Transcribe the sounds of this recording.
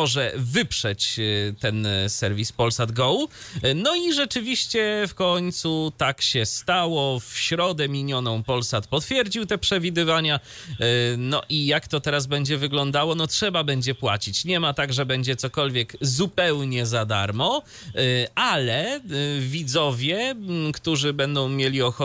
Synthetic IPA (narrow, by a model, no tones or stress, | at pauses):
ɔʐɛvɘpʂɛt͡ɕt̪ɛnsɛɾvʲispɔlsad̪ɡɔwnɔiʐɛt͡ʂɘvʲiɕt͡ɕɛfkɔɲt̪sut̪akɕɛst̪awɔfɕɾɔd̪ɛmʲiɲɔnɔ̃w̃pɔlsat̪pɔt̪fʲjɛɾd͡ʑiwt̪ɛpʂɛvʲid̪ɘvaɲa | nɔʔijakt̪ɔt̪ɛɾazbɛɲd͡ʑɛvɘɡlɔnd̪awɔnɔtʂɛbabɛɲd͡ʑɛpwat͡ɕit͡ɕɲɛmat̪aɡʐɛbɛɲd͡ʑɛt̪sɔkɔlvʲjɛɡzupɛwɲɛzad̪a̰ɾmɔ | alɛvʲid̪zɔvʲjɛkt̪uʐɘbɛnd̪ɔ̃w̃mʲjelʲiɔxɔ